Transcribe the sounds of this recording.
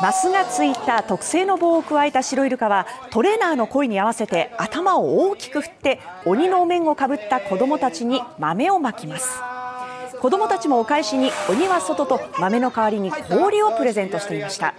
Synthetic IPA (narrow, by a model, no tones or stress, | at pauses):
masɨɡat͡sɨit̪at̪o̞kɯ̟̥se̞ːno̞bo̞ːokɯ̟βaet̪aɕiɾo̞iɾɯ̟kaβat̪o̞ɾe̞ːnaːno̞ko̞iɲ̟iaβ̞ase̞t̪e̞at̪amaoːkʲi̥kɯ̟ɸɯ̟̥t̪ːe̞o̞ɲ̟ino̞ːmẽ̞ŋ̃o̞kabɯ̟t̪ːako̞d̪o̞mo̞t̪at͡ɕiɲ̟imame̞o̞makʲimasɨ̥ | ko̞d̪o̞mo̞t̪at͡ɕimo̞ːkaiɕiɲ̟io̞ɲ̟iβaso̞t̪o̞t̪o̞mame̞no̞kaβaɾʲiɲ̟iko̞ːɾʲio̞pɯ̟ɾe̞zẽ̞nt̪o̞ɕi̥t̪e̞imaɕi̥t̪a̰